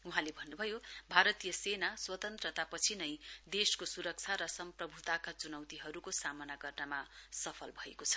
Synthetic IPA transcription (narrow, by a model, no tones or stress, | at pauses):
uɦãlebʱʌnːubʱʌjobʱaɾʌt̪ijʌsenaswʌt̪ʌnt̪rʌt̪apʌt͡sʰinʌjd̪eskosuɾʌk̚t͡sʰaɾʌsʌmprʌbʱut̪akat͡sunʌwt̪iɦʌɾukosamʌnaɡʌrnamasʌpʰʌlbʱʌekot͡sʰʌ̥